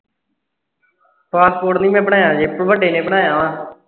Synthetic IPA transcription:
paːspoːʈnĩːmɛ̃ːbəɳaːjãːd͡ʒeːpɽbəɖeːnẽːbəɽaːjãːãː

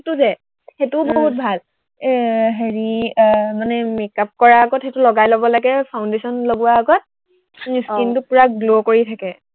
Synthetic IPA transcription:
xetuzɛ | xetʊboɔɦut̚bʱal | ɦeɹimanɛmikap̚kɔɹaːɡɔtxetulɔɡajlɔbɔlaɡɛpʰawndesɔnloɡuwaːɡɔt̚ | miskintʊpuɹaɡlokoɹitʰakɛ

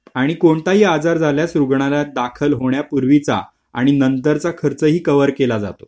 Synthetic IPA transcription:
aɽ̃ikoɳt̪aɦiːad͡zaɾd͡zʱaljasɾuɡɳ̃alad̪akʰəlɦoɳjapuɾʋit͡sa̰ | a̰ɽ̃inənt̪əɾt͡sakʰəɾt͡səːɦiːkəʋəɾkelad͡za̰t̪o

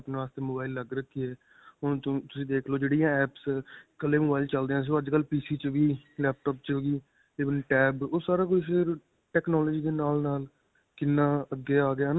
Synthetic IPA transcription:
pneːʋaːst̪eːmoːbaːɪlːəɡɾəkʰːiːɛː | ʊñːt̪ʊsĩːd̪eːkʰloːd͡ʒeːɽijãːɛːpskəleːmoːbaːɪlt͡ʃəld̪eãːs̬ioːəd͡ʒkəlːpiːsiːt͡ʃʋiːlɛːp̚ʈɔːp̚t͡ʃoːɡiː | eːʋənʈɛːboːsaːɾaːk̬oifɪɾ | ʈɛːknɔːlɔːd͡ʒiːd̪eːnaːlnaːl | kɪnːãːəɡːeːaːɡɪaːna

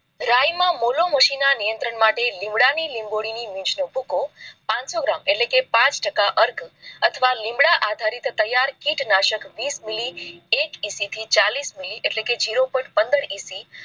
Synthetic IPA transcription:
ɾajmãmoloməʃinanijənt̪ɾəɳmaʈelĩmbɽanilĩmboɽinimĩt͡ʃnobukopãnsoɡɾameʈlekepãt͡ʃʈəkaʔəɾɡʱət̪ʰəʋalĩmbɽaʔad̪ʱaɾit̪t̪əjaɾkiʈnaʃəkʋismiliekisit̪ʰit͡ʃalismiliʔeʈleked͡ʒiɾopəʈpənd̪əɾisi

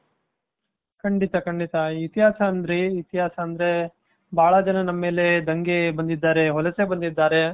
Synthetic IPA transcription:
kɐɳɖit̪ɐkɐɳɖit̪ɐit̪iɦaːsɐːnd̪ɾiit̪iɦaːsɐːnd̪ɾe̞ | bʱaːɭɐd͡ʒɐnɐnɐmːe̞ːle̞d̪ɐŋɡebɐnd̪id̪ːaːɾeɦɔlɐsebɐnd̪id̪ːaːɾe

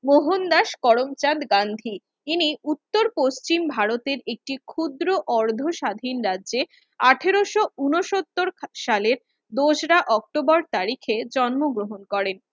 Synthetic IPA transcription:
moɦond̪aʃkɔɽomt͡ɕad̪ɡand̪ʱi | tiniut̪ːoɾpost͡ɕimbʱaɾot̪eɾek̚ʈikʰud̪ɾoʔɔɾd̪ʱoʃad̪ʱinɾadʑe | aʈʰeɾoʃounoʃot̪ːoɾʃaleɾ | d̪oʃɾaʔɔk̚ʈobɔɾt̪aɾikʰed͡ʑɔnmoɡɾoɦonkɔɾen

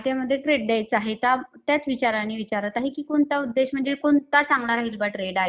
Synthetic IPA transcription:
t̪jaməd̪ʱːjeʈɾeɖd̪ejt͡saɦet̪at̪jat͡sʋit͡ɕaɾanːiːʋit͡ɕaɾət̪aɦekiːkoɳt̪aud̪ːeɕm̤əɳd͡zekoɳt̪at͡sãŋɡlaɾaɦiːlbaʈɾeɽaɦe

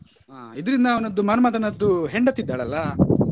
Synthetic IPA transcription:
aid̪ɐɾind̪ɐːʋɐnɐd̪ːumɐnɐmaːt̪ɐnɐd̪ːuɦeɳɖɐt̪ːid̪ːaːɭɐlːɐ

